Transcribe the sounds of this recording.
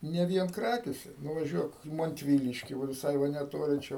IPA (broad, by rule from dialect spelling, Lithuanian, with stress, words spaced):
nʲɛ ˈʋʲiɛn ˈkrɑːkʲeːsʲɛ nʊʋɐˈʒʲuɔk ɪ mɐnʲtʲˈʋʲiːlʲɪʃʲkʲɪ ʋɐ ʋʲɪˈsɐɪ ʋɐ nʲɛˈtoːlʲɪ ˈt͡ʃʲɛ